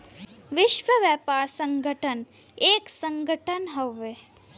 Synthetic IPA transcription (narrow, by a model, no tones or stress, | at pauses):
ʋɪʃʋəʋjɛːpaːɾsə̃ŋɡʱəʈʰən | eːksə̃ŋɡəʈʰənɦɐʋe